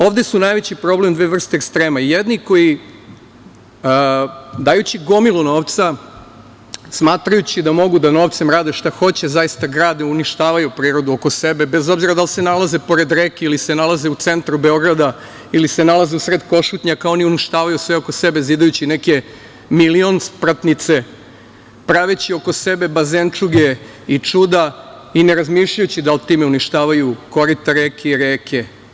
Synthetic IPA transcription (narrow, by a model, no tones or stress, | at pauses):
o̞ːʋd̪esunajʋe̞t͡ɕipɾo̞blemd̪ʋeːʋr̩st̪eːkst̪ɾeːmajed̪niko̞ji | d̪aːjut͡ɕiɡo̞milˠuno̞ːʋt̪sa | smaːt̪ɾajut͡ɕid̪amo̞ɡud̪ano̞ʋt̪se̞mɾaːd̪eʃt̪axo̞t͡ɕezaist̪aɡɾaːd̪neuniʃt̪aːʋajupɾiːɾo̞d̪uo̞ko̞sebe̞be̞zo̞bziɾad̪alˠsenalaze̞po̞ɾe̞d̪ɾekeilisenalˠazeut̪se̞nt̪ɾube̞o̞ɡɾad̪a | ilise̞nalˠazeusɾed̪ko̞ʃut̪ɲakaoniuniʃt̪aːʋajusʋeo̞ko̞sebeziːd̪ajut͡ɕineke̞ | milio̞nspɾat̪nit̪se̞ | pɾaʋet͡ɕio̞ko̞se̞be̞bazent͡ʂuɡe | it͡ʂud̪a | ineɾazmiːʃʎajut͡ɕid̪alˠt̪iːmeuniʃt̪aːʋajuko̞ɾit̪aɾeːkeiɾeːkʰe̞